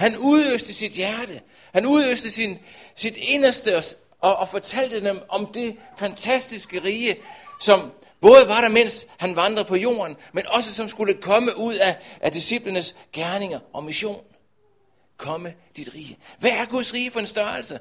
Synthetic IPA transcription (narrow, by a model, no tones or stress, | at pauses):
hænuðˠøsd̥əsid̥jæɐɾ̥ə | hænuðˠøsd̥əsinsid̥e̝nɐsd̥əɒ | ʔɒ̽ːfɒt͡sʰæl̰d̥əd̥emʔɒ̽md̥e̝ | fænt͡sʰæsd̥isɡ̥əʁiːəsɒ̽m | b̥ɔ̽ːð̞ˠəʋɑ̈ɾɑmen̰shænʋɑ̈nd̥ʁɐpʰɒ̽jo̝̰ːɐnmenʔɒ̽səsɒ̽msɡ̥uləkʰɒ̽məʔuð̞̰ˠæʔæd̥isib̥lənəsɡ̥æɐne̝ŋɐʔɒ̽miso̝̰ːn | kʰɒ̽məd̥id̥ʁiːəʋææɐɡ̥uðˠsʁiːəfɒ̽e̝nsd̥ɶɐl̩sə